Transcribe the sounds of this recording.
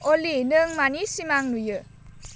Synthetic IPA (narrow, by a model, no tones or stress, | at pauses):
olinəŋmanisimaŋnujə